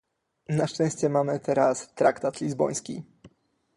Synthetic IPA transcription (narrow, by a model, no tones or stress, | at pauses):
naʂt͡ʂɛ̃w̃ɕt͡ɕɛmamɘt̪ʰɛɾast̪ɾakt̪at̪lʲizbɔ̰j̃skʲḭ